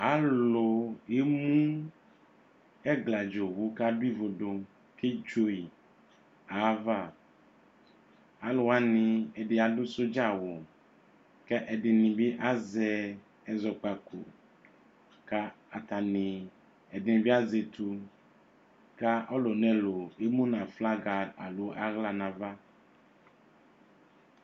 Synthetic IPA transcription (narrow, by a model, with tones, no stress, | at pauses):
a˨˦lo˨e˦mũ˦ | ɛ˦ɡla˨d͡ʒo˨wu˨ka˦du˦i˦vo˨ɖo˨ | ke˦d͡ʒo˦i˨ | a˨˦va˦˨ | a˨lo˨a˦nĩ˨ɛ˨de˨a˨du˦so˦d͡ʒa˦˨wo˨ | kɛ˦ʔɛ˨dɪ˨nĩ˨bi˦ʔa˦zɛ˨ | ɛ˨zɔ˨k͡pa˨kṵ˨ | ka˦ | a˨t̪a˨nĩ˨ | ɛ˨dɪ˨nĩ˨bi˦a˦ze˨t̪ʰu˨ | ka˦ʔɔ˦lo˨nɛ̃˨lo˨e˦mũ˦nã˨fla˦ɡa˨da̰˨lo˨˦ʔa˦ɣla˨nã˨va˦